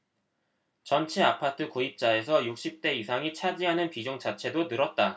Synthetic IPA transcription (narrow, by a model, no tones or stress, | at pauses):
t͡ɕʌnt͡ɕʰeapʰatʰɯkoip̚t͡ɕ͈ae̞s̬ʰʌjuk̚ɕ͈ip̚t͈e̞isʰaŋit͡ɕʰad͡ʑiɦanɯnpid͡ʑoŋt͡ɕʰat͡ɕʰe̞donɯɾʌt̚t͈a